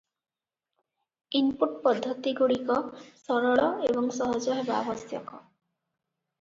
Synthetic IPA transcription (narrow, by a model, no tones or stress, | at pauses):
impuʈpɔd̪ʱːɔt̪iɡuɽikɔsɔɾɔɭɔebɔŋsɔɦɔd͡ʒɔɦebabɔsjɔ̰kɔ